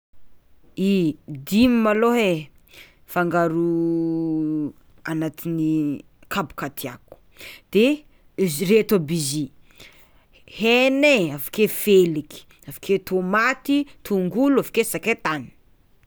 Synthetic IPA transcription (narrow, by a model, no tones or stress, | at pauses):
id̪imimaloɦe | faŋɡaɾu | anat̪ini | kʰabu̥kat̪ʰiaku̥ | d̪̥e | ret̪obizi | heneafḁkefeliki̥ | afḁket̪omat̪it̪ʰuŋɡuluafḁkesaket̪ani̥